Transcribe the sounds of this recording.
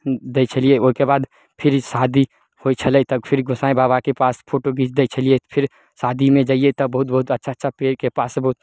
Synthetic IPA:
d̪et͡ʃʰəlieoɦkebaːd̪ | pʰɪɾsaːd̪ʱi | hoːit͡ʃʰɐlet̪ɐkpʰɪɾɡʱʊsaːẽbaːβakepaːspʰoːʈoɡiːt͡ʃd̪eit͡ʃʰəliepʰɪɾ | saːd̪ʱimẽd͡ʒaːiet̪ɐbɐɦʊt̪̚bɐɦʊt̪ɐtːʃʰatːʃʰapeːɾkepaːsbɐɦʊt̪

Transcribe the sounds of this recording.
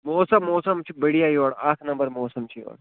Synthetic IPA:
moːsɐmːoːsɐmt͡ʃʰibɐɽijajoːɽaːk̪ʰnɐ̃mbəɾmoːsɐmt͡ʃʰijo̰ːɽ

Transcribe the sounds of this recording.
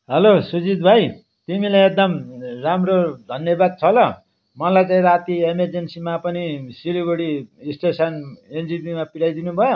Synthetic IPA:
ɦʌlosud͡zid̪bʱaj | t̪imilajek̚d̪ʌmramrod̪ʱʌnjʌbad̪̚t͡sʰʌlʌ | mʌlajt͡saĩɾat̪iemerd͡zensimapʌnisiliɡoɽisʈesʌnend͡zipimapiɽajd̪inubʱʌjo

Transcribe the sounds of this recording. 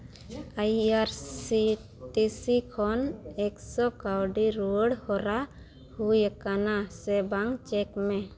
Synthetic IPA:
ajaɾsi | ʈisikʰɔnɛksɔkawɖiɾuəɽhɔɾa | hujakanasɛbaŋt͡ʃɛkmɛ

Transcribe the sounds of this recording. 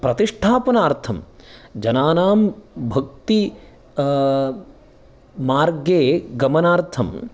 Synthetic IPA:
pɾɐt̪iʂʈʰaːpɐnaːɾt̪ʰɐmd͡ʒɐnaːnaːmbʱɐk̚t̪i | maːɾɡeːɡɐmɐnaːɾt̪ʰɐm

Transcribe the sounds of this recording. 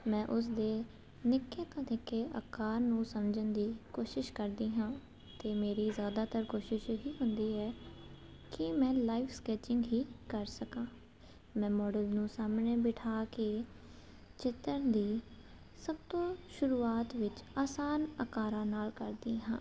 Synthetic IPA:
mɛ̃ːʔʊs̬d̪eː | nɪkːeːt̪õːnɪkːeːʔə̰kaːɾnũːsəmd͡ʒənd̪iːkoːʃɪʃkəɾd̪iːɦãː | t̪eːmeːɾiːzjaːd̪aːt̪əɾkoːʃɪʃɦiːɦʊnd̪iːɛː | kɪmɛ̃ːlaːiːfskɛːt͡ʃɪ̃ŋɡɦiːkəɾsəkãː | mɛ̃ːmɔːɖəlnũːsaːmneːbɪʈʰaːkeː | t͡ʃɪt̪ənd̪iː | səb̚t̪õːʃʊɾuːaːt̪ʋɪt͡ʃaːsaːnəkaːɾãːnaːlkəɾd̪iːɦãː

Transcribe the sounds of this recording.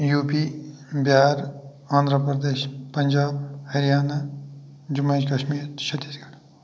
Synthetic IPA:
juːpi | bjaːɾ | ãːnd̪ʱɾəpɾəd̪eːʃpɐɲd͡ʒaːbhɐɾijaːna | d͡ʒʊmẽːd͡ʒkɐʃmiːɾʃʰɐt̪iːsɡɐɽ

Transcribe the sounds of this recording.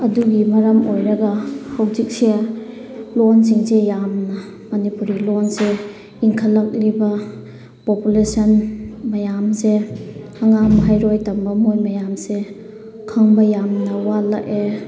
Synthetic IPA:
ɐduɡimɐɾɐmojɾɐɡɐhawzik̚sia | lɔnsiŋsejamnɐ | mɐnipuɾilɔnse | iŋkʰɐlːɐk̚libɐ | populesɐnmɐjamse | aŋamɐɦajɾojtɐmbɐmojmɐjamse | kʰaŋbɐjamnɐwalaʔe

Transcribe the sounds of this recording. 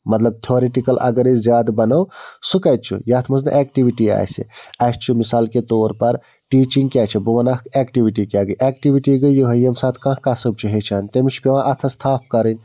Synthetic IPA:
mɐt̪lɐb̚t̪ʰoːɾeʈikɐlʔɐ̰ɡɐɾizjaːd̪bɐnɐwsukɐjt̪̚t͡ʃʰṵjaːt̪ʰmɐznɐ̰ʔɛːk̚ʈiʋiʈia̰ːjsḭaːst͡ʃʰumisaːlket̪oːɾpɐɾ | ʈiːt͡ʃiŋɡkjaːt͡ʃʰebuʋɐnakkeːkʈiʋiʈikjaːɡəʔeːk̚ʈiʋiʈiɡəjuɦɐjemsaːt̪ʰkãːɦkaːsəb̚t͡ʃʰuɦet͡ʃʰaːnt̪emit͡ʃʰpeʋãʔɐt̪ʰɐst̪ʰaːp̚ʰkɐɾən

